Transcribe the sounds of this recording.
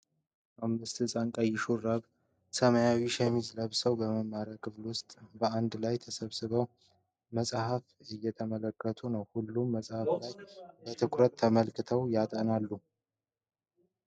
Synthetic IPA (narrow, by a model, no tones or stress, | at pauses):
ʔamːɨst̪ʰɨsʼaŋkʼajɪʃuraβ | səmajawiʃɛmizləβsəwbəməmːaɾjakʰɨflwʊst̪ʼbəand̪lajt̪ʰəsəβsɨβəw | məsʼhafɨjːɛt̪ʰəmələkːət̪ʰunəwhulːumːəsʼhaflajbət̪ʰɨkʰɾət̪ʰːəməlkɨt̪ʰəwjat̪ʼənalːu